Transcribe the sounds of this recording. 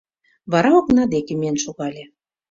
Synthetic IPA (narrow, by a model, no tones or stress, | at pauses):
βɑɾɑoknɑd̪ekemienʃoɣɑlʲe